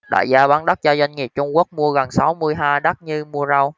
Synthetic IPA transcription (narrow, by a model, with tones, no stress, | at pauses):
ɗa̰ː˧˨jzaː˧ɓaː˨˦nɗa˦˥k̚zaː˧za˧jŋ̟ŋi˨˩əp̚t͡ɕʊ˧ŋ͡mku˦˥ək̚mu˧əɣə˨˩ŋsa˨˦wmɨ˧əjɦaː˧jɗa˦˥t̚ɲɨ˧mu˧əza˧w